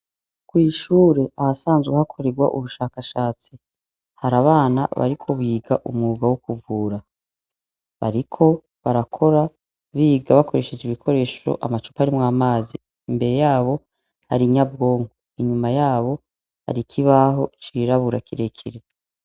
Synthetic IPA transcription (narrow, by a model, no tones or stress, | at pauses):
kwiːʃuːɾe̞ʔahasaːnzɡwehakʰo̞ɾe̞ɡwa̰ʔṵβuʃaːkaʃaːt͡si | haɾaβaːna̰βa̰ɾikʰo̞βiːɡaʔumŋuːɡawokuvuːɾa | βa̰ɾikʰo̞ | βaɾakʰo̞ɾa | βiːɡaβakʰo̞ɾe̞ʃe̞d͡ʒiβikʰo̞ɾe̞ːʃo̞̰ʔamat͡ʃu̥paɾimwaːmaːzi | imbe̞ɾe̞jaːβo̞ | ha̰ɾiɲab̚ɡo̞ːŋɡoiɲumajaːβo̞ | ha̰ɾikʰiβaɦo̞t͡ʃiɾaβuɾakiɾekʰiɾe